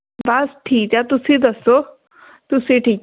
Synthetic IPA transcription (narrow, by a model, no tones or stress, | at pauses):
bɐsʈʰiːk̚t̪jat̪ʊsĩd̪əsoː | t̪ʊsĩʈʰiːk